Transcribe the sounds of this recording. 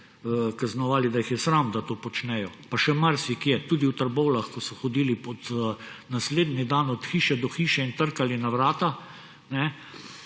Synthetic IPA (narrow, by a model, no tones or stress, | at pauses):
kaznɔʋaːlid̪ajixjɛsɾamd̪at̪oːpɔt͡ʃnɛjɔ | paʃɛmaɾsikjɛt̪uːd̪iwt̪əɾbɔwlaxkɔsɔxɔd̪iːlipɔt̪nasleːd̪nid̪anɔt̪xiːʃɛd̪ɔxiːʃɛint̪əɾkalinaʋɾaːt̪a | nɛ